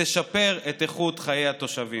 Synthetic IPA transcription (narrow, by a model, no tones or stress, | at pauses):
eʃape̞ʁet̪eχut̪χajejhat̪o̞ʃavi